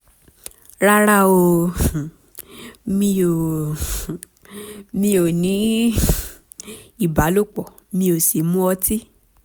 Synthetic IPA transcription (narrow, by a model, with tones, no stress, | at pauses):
ɾa˦ɾa˦o˧ | mĩ˧o˨ | mĩ˧o˨nĩ˨˦ | i˦˨ba˨˦lo˦˨k͡pɔ˨ | mĩ˧o˨si˨mũ˦ɔ˧ti˦